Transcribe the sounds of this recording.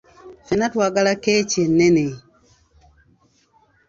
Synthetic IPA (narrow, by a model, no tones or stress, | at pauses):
fɛnatwaɡalaket͡ʃenːene